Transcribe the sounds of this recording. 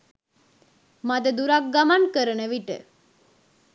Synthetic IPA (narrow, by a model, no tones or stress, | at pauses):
mad̪əd̪uɾak̚ɡamankəɾəɳəʋiʈə̰